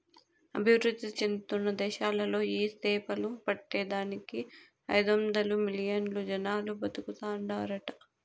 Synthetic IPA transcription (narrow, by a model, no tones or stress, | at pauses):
ɐ̰bʱiʋɾud̪ːit͡ʃend̪t̪unːɐd̪ɛːʃaːlɐlo̞ːiːst̪ɛːpɐlupɐʈːɛːd̪aːniki | ɐ̰jd̪omd̪ɐlumilijɐnlud͡ʒɐnaːlubɐd̪ukut̪aːɳɖaːɾɐʈɐ̥